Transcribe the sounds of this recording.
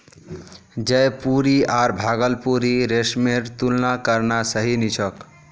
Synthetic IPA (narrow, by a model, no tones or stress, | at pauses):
d͡ʒəjpuɾiaɾbʱaɡəlpuɾiɾesmeɾt̪ulnakəɾnasəɦinit͡ʃʰək